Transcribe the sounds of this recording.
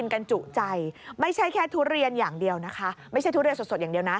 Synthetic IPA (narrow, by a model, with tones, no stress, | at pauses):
i˧nka˧nt͡ɕu˨˩t͡ɕa˧jma˥˩jt͡ɕʰa˥˩jkʰɛː˥˩t̪ʰuː˦˥ɾi˧ənjaː˨˩ŋdi˧əwna˦˥kʰa˦˥ma˥˩jʰa˥˩jt̪ʰːɾi˧nso˨˩t̪̚o˨˩t̪̚a˨˩di˧əwna˦˥